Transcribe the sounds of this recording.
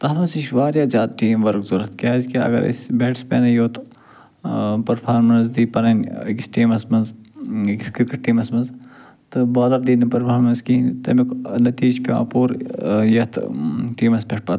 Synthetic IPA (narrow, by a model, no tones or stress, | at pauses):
t̪ɐɦmɐsiʃʋaːɾjaːzʲaːd̪̚ʈiːmʋɐɾkzuɾɐt̪keɐzkiɐ̰ɡɐ̰ɾḭsʲbeːʈspʲḛːnɐjoːt̪ | pɐɾpʰaːɾmɐnzd̪iːpɐnɐnʲkisʈiːmɐsmɐnzkiskɾkɐʈ̚ʈːiːmɐsmɐnz | t̪ɨbaːd̪ɐɾd̪iːnɐpɐɾpʰaːɾmɐnzkint̪ɐ̰miknɐt̪iːd͡ʒpʲa̰ːpuːɾjɐt̪ʰʈiːmɐspʲeʈ̚pɐt̪